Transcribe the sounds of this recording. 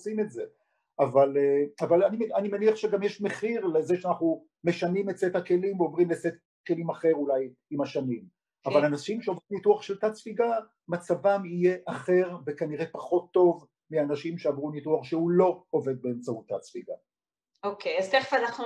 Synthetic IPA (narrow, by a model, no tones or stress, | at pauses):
simetze | avaleavalanianimeniaχʃeɡamjeʃme̞χiʁlezeʃeanaχnu | meʃanimetset̪hake̞limveovʁimleset̪̚ | ke̞limaχe̞ʁulaj | imaʃanim | avalanaʃimʃeavʁunituaχʃelt̪at͡sfiɡa | mat͡savamije̞ʔaχe̞ʁvekaniʁe̞paχo̞t̪ːo̞v | mianaʃimʃeavʁunituaχʃehulo̞ove̞d̪̚beːmt͡sahut̪ːat͡sfiɡa̰ | okejazt̪eχfaanaχnu